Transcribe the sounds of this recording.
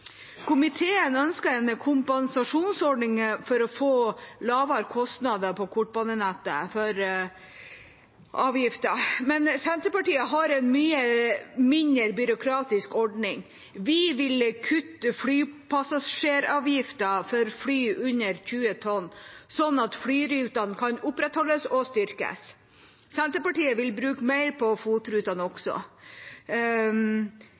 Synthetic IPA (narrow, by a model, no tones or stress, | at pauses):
kʰʊmɪt̪ʰeːənœnskəɾɛnkʰʊmpɛnsɑʂuːnsɔɖɳɪŋəfɔɾɔfoːlɑːʋɑɾkʰɔst̪nɑd̪əpʰɔkʰʊʈ̚ːbɑnənæt̪ːəfɔɾ | ʔɑːʋjɪft̪əmɛnsɛnt̪ɾəpɑʈiːəɦɑɾɛnmyːəmɪnəɾbʏɾʊkʰɾɑːt̪ɪskɔɖɳɪŋ | ʋɪʋɪlkʰʉt̪ːəflyːpʰɑsɑʂeːɾɑːʋjɪft̪ɑfɔɾflyːʔʉnəɾçʉːət̪ʰɔnːsɔnɑt̪fɽyːɾʉːt̪ɑnkʰɑnʊpːɾɛt̪hɔlːəsɔst̪ʏɾkə̰s | sɛnt̪ɾəpɑʈiːəʋɪlbɾʉːkmæɪɾpʰɔfuːt̪ɾʉːt̪ɑnəɔksɔ̰